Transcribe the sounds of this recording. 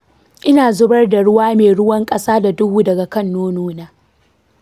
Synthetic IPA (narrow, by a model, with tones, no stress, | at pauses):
ʔɪ˦naː˨zʊ˦bɐ˦rda˨ɽʊ˦waː˦meː˨ɽʊ˦wɐ˦ŋkʼɐ˦saː˦da˨dʊ˦ɡuː˦dɐ˨ɡa˨kɐ˦nːoː˦noː˦naː˦